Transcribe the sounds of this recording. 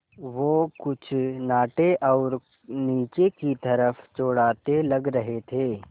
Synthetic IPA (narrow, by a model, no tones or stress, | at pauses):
ʋoːkʊt͡ʃʰnaːʈeʔɔːɾ | niːt͡ʃekit̪ɐɾəfʰt͡ʃoːɽaːt̪elɐɡɾɐɦet̪ʰeː